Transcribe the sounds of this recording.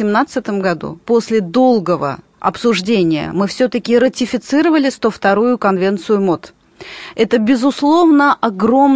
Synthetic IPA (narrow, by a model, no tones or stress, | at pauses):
ɪmnat̪sɨt̪əmɡɐd̪ṵpo̞sʲlʲɪd̪o̞lˠɡəvə̰ | ɐ̰psʊʐdʲenʲɪjə̰mɨfsʲɵt̪əkʲɪɾətʲɪfʲɪt̪sɨɾəvəlʲɪst̪oft̪ɐɾujʊkɐnvʲe̞nt̪sɨjʊmo̞t̪ | ɛt̪əbʲɪzʊslˠo̞vnəʔɐɡɾo̞m